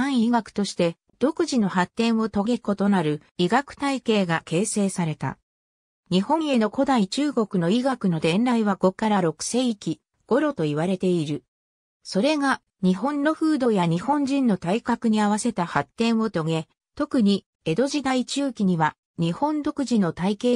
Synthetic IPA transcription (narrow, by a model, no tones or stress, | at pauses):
ãɰ̃iɡakɯ̟̥t̪o̞ɕi̥t̪e̞ | d̪̥o̞kɯ̟ʑino̞ɦat̪ːẽ̞ɰ̃o̞t̪o̞ɡe̞ko̞t̪o̞naɾɯ̟ | iɡakɯ̟̥t̪aike̞ːɡake̞ːse̞ːsaɾe̞t̪a̰ | ɲ̟ihõ̞ɰ̃e̞no̞ko̞d̪ait͡ɕɨːɡo̞kɯ̟no̞iɡakɯ̟no̞d̪ẽ̞nɾaiβaɡo̞kaɾaɾo̞kɯ̟̥se̞ikʲi | ɡ̥o̞ɾo̞t̪o̞iβ̞aɾe̞t̪e̞iɾɯ̟ | so̞ɾe̞ɡa | ɲ̟iɦõ̞nːo̞ɸɯ̟ːd̪o̞jaɲ̟ihõ̞ɲ̟d͡ʑĩnːo̞t̪aikakɯ̟ɲ̟iaβ̞ase̞t̪ahat̪ːẽ̞ɰ̃o̞t̪o̞ɡe̞ | t̪o̞kɯ̟ɲ̟i | e̞d̪o̞ʑid̪ait͡ɕɨːkʲiɲ̟iβa | ɲ̟ihõ̞nd̪o̞kɯ̟ʑino̞t̪aike̞ː